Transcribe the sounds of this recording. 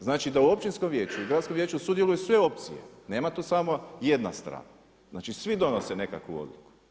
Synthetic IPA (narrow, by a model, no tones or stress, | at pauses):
znaːt͡ʃid̪auo̞p̚t͡ʃinskomʋje̞ːt͡ʃuiɡɾat̪skomje̞ːt͡ʃusud̪je̞lujesʋe̞o̞p̚t̪sḭje̞̰ne̞ːmat̪oːsamoje̞d̪na̰st̪ɾa̰ːna | znaːt͡ʃisʋid̪o̞nosene̞ka̰kʋṵo̞̰d̪lˠuku̥